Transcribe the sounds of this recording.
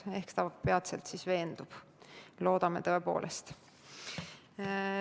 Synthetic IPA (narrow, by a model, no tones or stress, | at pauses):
e̞hkt̪ɑpeɑt̪sḛlt̪sisve̞ːnd̪ub̥ | lo̞ːd̪̥ɑme̞̰t̪ɤepo̞̰ːlʔest̪